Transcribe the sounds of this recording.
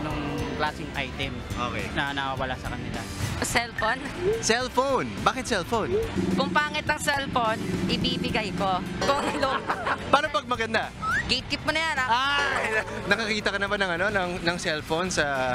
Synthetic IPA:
nʊŋplaːsɪŋʔa̰jt̪ɛmʔo̰kɛ̰jnɐnɐwawɐla̰sɐkɐnɪla̰sɛlfonsɛlfownbaːkɪt̪̚sɛlfownkʊŋpaːŋɪt̪ɐŋsɛlfownʔɪbibɪɡajko̞koŋɐlopaːnopɐɡ̚mɐɡɐnd̪aɡijt̪̚kɪp̚kʊnɐjanaa | nɐkɐkiːt̪ɐkɐnɐmanɐŋɐno̞nɐŋnɐŋsɛlfownsɐ

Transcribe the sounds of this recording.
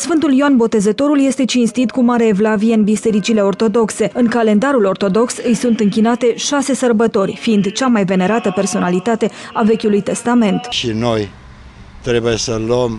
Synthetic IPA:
sfɨnt̪uljoanbo̞t̪e̞zət̪o̞ɾulje̞st̪e̞t͡ʃinst̪it̪kumaɾeevlavieɨnbise̞ɾit͡ʃile̞o̞rt̪o̞d̪o̞kse̞ɨŋkale̞nd̪aɾulo̞rt̪o̞d̪o̞ksɨjsunt̪ɨŋkʲinat̪e̞ʃase̞sərbət̪o̞rʲfiind̪t͡ʃamajve̞ne̞ɾat̪əpe̞rso̞nalit̪at̪e̞ave̞kʲulujt̪e̞st̪ame̞nt̪ʃino̞j | t̪ɾe̞bujesələm

